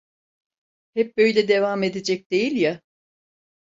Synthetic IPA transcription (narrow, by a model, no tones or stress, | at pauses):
hɛp̚bø̞jlʲɛd̪e̞vame̞d̪ed͡ʒɛc̚d̪̥e̞jilʲja